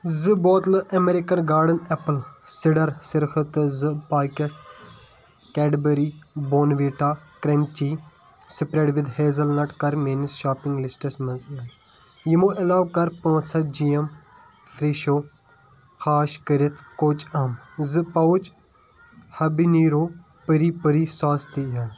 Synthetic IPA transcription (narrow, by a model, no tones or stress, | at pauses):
zɨboːt̪lɨʔɐmeɾikɐnɡaːɾɖɐnɛpəlsiɖɐɾsɪɾxɨt̪ɨzɨpaːkɐʈ̚ | kɛːʈbɐɾiboːnʋiːʈaːkɾemt͡ʃiː | sipɾeʈʋid̪heːzɐlnɐʈkɐɾmeːnisʃaːpiŋɡlisʈɐsmɐznɐj | jimuʔɐlaːʋkɐɾpõːsɐd͡ʒijɐm | fʰɾiːʃoː | xaːʃkəɾɪt̪ʰkoːt͡ʃaːmzɨpɐʊt͡ʃ | hɐbiniːɾoː | pəɾipəɾisaːst̪iɦa